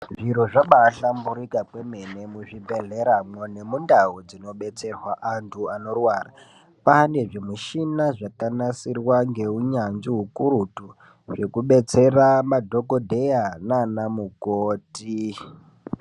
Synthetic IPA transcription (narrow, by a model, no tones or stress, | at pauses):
ʐiɾoʐaɓaːɬambuɾikakweme̞ne̞muʐibʱe̞ɮe̞ɾamone̞mundaɦud͡zino̞ɓe̞t͡se̞rwaʔantʰuano̞rwaːra | pane̞ʐimuʃinaʐakanasirwaŋɡe̞uɲand͡ʒiɦukuɾutu | ʐe̞kuɓe̞t͡se̞ramadʱo̞kodʱe̞jananamukoːti